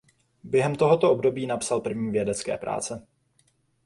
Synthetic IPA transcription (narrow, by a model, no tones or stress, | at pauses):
bjɛɦɛmt̪o̞ɦo̞t̪o̞ʔobdo̞biːnapsalpr̩vɲiːvjɛdɛt͡skɛ̰ːpɾʔa̰ːt͡sɛ